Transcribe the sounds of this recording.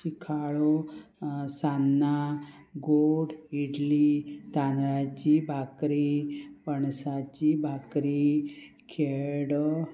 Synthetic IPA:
ikʰaɭo | sanːa | ɡoɽiɽlit̪anɾat͡ɕibʱakɾipəɳsat͡ɕibʱakɾi | kʰeɽ

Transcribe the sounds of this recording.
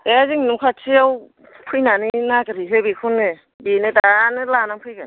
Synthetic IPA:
eziŋnumkʰat͡ʃʰiaw | pʰujnaninakɯɾiɦebikʰunːɯ | benɯdanɯlanaŋpʰɯjɡan

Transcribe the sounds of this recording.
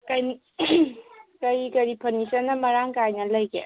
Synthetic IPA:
kɐjn | kɐɾikɐɾipʰɐnisɐnːɐmɐɾaŋkajnɐlɐjɡḛ

